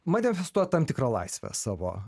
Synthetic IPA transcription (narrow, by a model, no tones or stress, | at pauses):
mɐnʲɪfʲɛst̪uɔjt̪ɐmʲt̪ʲɪkɾɐlˠɐ̰ɪsʲʋʲɛ̰sɑːʋo̰ː